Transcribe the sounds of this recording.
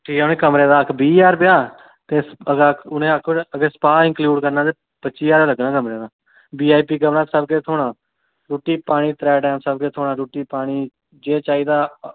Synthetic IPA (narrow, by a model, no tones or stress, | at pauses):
ʈʰiːkɛʊnẽːkəmɾeːd̪aːəkʰbiːjaːɾpɪjaː | t̪eːəɡʊnẽːəkʰːəɡeːsə̥paːɪ̃ŋkljuːɖkəɾnãːd̪eː | pətːʃiːjaːɾeːləɡnãːkəmɾeːd̪aː | biːaːipiːkəʋnaːt̪səbkeːt̪ʰoːɽãː | ɾuːʈiːpaːɽ̃iːt̪ɾɛːɖɛːmsəbkeːt̪ʰoːɽaːɾuːʈiːpaːɽ̃iː | d͡ʒeːt͡ʃaːiːd̪aː